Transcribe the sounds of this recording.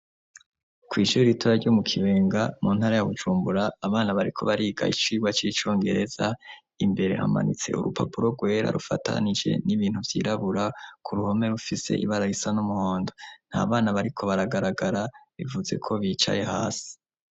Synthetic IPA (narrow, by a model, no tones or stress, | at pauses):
kwiːʃuɾiɾitʰoɾaɾɟomukʰiβe̞ːŋɡamuːn̥haɾajaβud͡ʒuːmbuɾaːβaːnaβaɾikʰo̞̰βaɾiːɡa̰it͡ʃiːɡwat͡ʃit͡ʃo̞ːŋɡe̞ɾe̞z̥a | imbe̞ɾe̞̰ha̰ma̰nḭt͡se̞̰ʔṵɾupa̰puɾo̞ɡwe̞ːɾa̰ɾʔufa̰tʰa̰nid͡ʒe̞̰niβiːn̥huvjḭːɾaβuɾakʰuɾuho̞me̞ɾufise̞̰ʔḭβaɾaisanumuhoːndo̞n̥ha̰ːβaːnaβaɾikʰo̞βaɾaɡaɾaɡaɾaβivuze̞̰kʰo̞βiːt͡ʃa̰je̞haːsi̥